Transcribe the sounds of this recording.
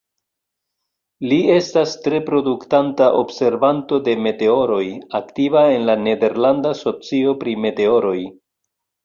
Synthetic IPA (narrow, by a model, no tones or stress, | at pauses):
lie̞stastɾe̞pɾo̞duktantaʔo̞̰bse̞ɾvanto̞de̞me̞te̞o̞ɾo̞jaktivae̞nlane̞de̞ɾlandaso̞t͡sio̞pɾime̞te̞o̞ɾo̞j